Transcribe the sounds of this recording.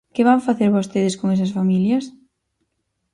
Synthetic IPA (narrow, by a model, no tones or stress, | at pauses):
kɪβaŋfaθeɾβost̪eðɪskoŋes̬ɐsfamiljɐs